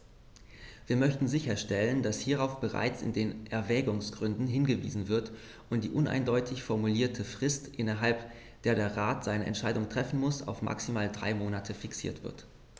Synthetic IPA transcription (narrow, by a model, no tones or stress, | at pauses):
viːɐmœçtn̩zɪçɐʃtɛləndashiːʁ̞aʊfb̥əʁa̰ɪt͡sɪ̰ndeːnʔɛɐvɛːɡʊŋsɡ̥ʁʏndn̩ɦɪnɡəvḭːzn̩vɪɐt | ʔʊnt̚d̥iːʔʊna̰ɪndɔʏtʰɪçfɔɐmuliːɐtʰəfʁ̥ɪstʔɪnɐɦalp | d̥eːɐɾeːɐʁaːtz̥aɪnəʔɛ̰ntʃaɪdʊŋtʁ̥ɛfn̩mʊsa̰ʊfma̰ksimaːldʁa̰ɪmoːnatʰəfɪksḭːɐtv̥ɪ̰ɐt